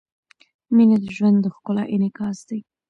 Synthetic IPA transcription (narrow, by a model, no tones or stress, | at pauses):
mined̪əʒwand̪ːəxkʊlaʔɪnɪkɑsd̪aj